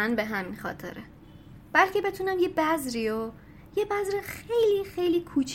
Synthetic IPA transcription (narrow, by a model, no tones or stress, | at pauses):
ænbe̞ɦæminxɒ̰ːt̪ʰḛɾʔe | b̥ælcʰe̞be̞t̪ʰuːnæmje̞bæzɾio | jebæzɾexejliːxe̞jliːkʰuːt͡ʃʰ